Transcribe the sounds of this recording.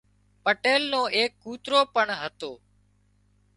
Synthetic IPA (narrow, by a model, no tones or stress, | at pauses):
pəʈeːlnõːʔeːkːuːt̪ɾoːpəɳɦət̪oː